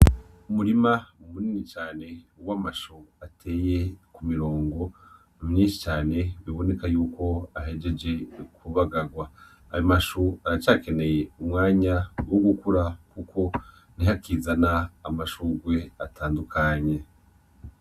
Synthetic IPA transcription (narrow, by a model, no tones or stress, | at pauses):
umuɾimaumuninit͡ʃaːne̞ | uwamaʃuatʰe̞ːjekumiɾo̞ːŋɡo̞ | umɲiːʃi̥t͡ʃaːne̞βiβo̞ne̞kajuːko̞aɦe̞d͡ʒe̞d͡ʒe̞kʰuβaɡaɡwaː | jomaʃuaɾat͡ʃaːke̞ne̞je̞umŋaːɲawoɡukuɾakukʰo̞ | n̥iɦakizanaːmaʃuɡwe̞atʰaːndukʰaɲe̞